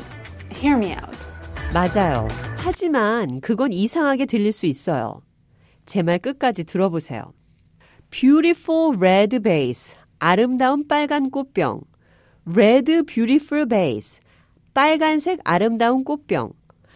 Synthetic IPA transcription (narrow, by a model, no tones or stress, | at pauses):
hiɹmia̰ʊt̚mad͡ʑajo̰had͡ʑimankɯɡʌnisʰaŋɦaɡe̞tɯʎːiɭs͈uis͈ʌjo̰ | t͡ɕe̞maɭk͈ɯk̚k͈ad͡ʑitɯɾʌbosʰe̞̰jo̰ | pjuɾifʰuɭɹedɯbeis | aɾɯmdaunp͈aɭɡank͈op͈jʌ̰ŋ | ɾedɯbjuɾifʰuɭbeis | p͈aɭɡansʰe̞ɡa̰ɾɯmdaunk͈op͈jʌ̰ŋ